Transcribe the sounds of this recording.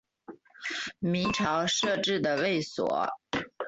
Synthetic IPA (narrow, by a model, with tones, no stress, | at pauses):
mi˧˥ŋʈ͡ʂʰɑ˧˥ʊʂɤ˥˧ʈ͡ʂɻ̩˥˩d̪ə˩we˥˩ɪswɔ̰˨˩˦